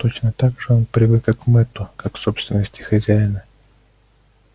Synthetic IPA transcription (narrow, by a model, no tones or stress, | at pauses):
t̪ot͡ɕnət̪aɡʐɨo̞npɾʲɪvɨkakmɛt̪ʊkakso̞pst̪vʲɪnːəsʲtʲɪ̥xɐzʲæjɪnə